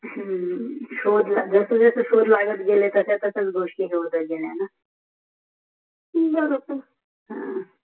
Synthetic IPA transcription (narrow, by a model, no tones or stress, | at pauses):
ɕod̪lad͡zəsəd͡zəsəɕod̪laɡət̪ɡelet̪əsat̪əsət͡sɡʱoʂʈiɦeʋət̪əɡeljana | bəɾop̪ə | ɦã